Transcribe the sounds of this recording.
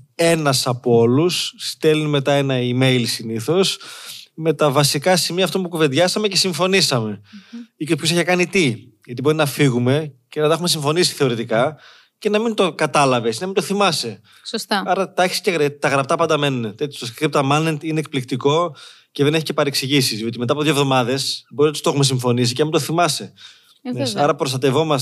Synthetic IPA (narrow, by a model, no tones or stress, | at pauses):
e̞nɐsɐpoo̞lusːt̪e̞linime̞t̪ɐe̞nɐime̞jlsiniθo̞sme̞t̪ɐvɐsikɐsimiɐft̪ompukuve̞d̪ʝɐsɐme̞ce̞siɱfo̞nisɐme̞ikospços̬eçɐkɐnit̪i | ʝɐt̪ibo̞ɾinɐfiɣume̞cenɐt̪ɐxume̞siɱfo̞nisi̥θe̞o̞ɾit̪ikɐ | ce̞nɐmint̪o̞kɐt̪ɐlɐve̞snɐmind̪oθimɐse | sost̪ɐɐɾɐt̪ɐçi̥se̥ceɣɾet̪ɐɣɾɐp̚t̪ɐpɐnd̪ɐme̞nunet̪et̪ʰjost̪skkɾip̚t̪ɐmɐnnent̪ineːk̚plikt̪iko̞ | ce̞ðeneçice̞pɐɾeksiʝisizjo̞t̪imeɐpoðjovðo̞mɐðe̞sboɾinɐt̪ust̪oxume̞s̬iɱfo̞nis̬iceɐmint̪oθimɐse | esɐɾɐpɾost̪ɐt̪e̞vo̞mɐs